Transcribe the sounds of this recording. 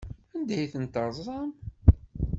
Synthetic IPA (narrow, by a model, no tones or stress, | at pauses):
ænd̪æjθənt̪əɾˤzˤɑm